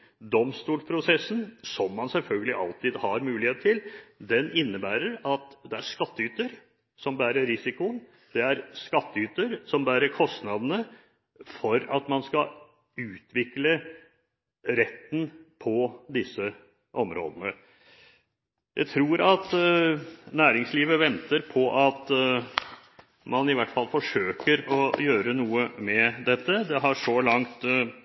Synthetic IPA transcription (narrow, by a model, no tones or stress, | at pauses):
d̪ɔmst̪uːlpʰɾʊsɛsːnsɔmːɑnsɛlfœlɡəlɪʔɑlt̪iːd̪hɑɾmʉːlɪheːt̪ʰːɪld̪ɛnɪnːəbæːɾəɾɑt̪d̪ɛæɾʂkɑt̪ːəyːt̪əɾ | sɔmbæːɾəɾɪsɪkʊən | d̪̥ɛæɾskɑt̪ːəyːt̪əɾsɔmbæːɾəɾkʰɔst̪nɑd̪ənə | fɔɾɑt̪mɑnskɑ | ʉːt̪ʰʋɪklə | ɾɛt̪ːn̩pʰɔd̪ɪsːə | ʔɔmɾo̰ːd̪ənə | jʔæ̰ɪt̪ʰɾuːɾɑt̪ | næːɾɪŋsliːʋəʋɛnt̪əɾpʰɔʔɑt̪ | mɑnɪʋæʈːfɑlfɔʂøːkəɾɔjøːɾənuːəmɛd̪ɛt̪ːəd̪ɛɦɑʂɔlɑŋt̪